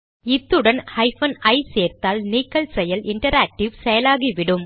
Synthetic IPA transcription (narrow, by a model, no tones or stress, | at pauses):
ɪt̪ːɯɽɐnhɐjfɐnɐɪseːɾt̪aːlniːkːɐlsɛjɐlɪɳʈɐɾaːk̚ʈɪʋsɛjɐlaːɣiʋɪɽɯm